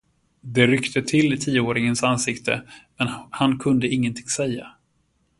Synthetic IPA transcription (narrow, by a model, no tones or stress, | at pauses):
d̪ɛɾʏkt̪ʰət̪ʰɪlːɪt̪ʰiːəoːɾɪŋənsansɪkt̪ʰə̰mɛnhankʰɵnd̪əɪŋːənt̪ʰɪŋsɛjːa̰